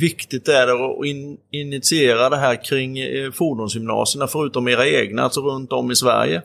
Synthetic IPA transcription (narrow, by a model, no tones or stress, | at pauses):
vɪkt̪ɪt̪æɖɛɔɪɪnːɪt̪sɪeːɾad̪ɛɦæːɾkʰɾɪŋːfuɖuːnsjʏmnɑ̰ːsəɳafœɾʉ̟ːt̪ɔmeːɾaeːɡnaa̰lsɔɾɵnt̪ɔmːɪsvæ̰ɾjə̰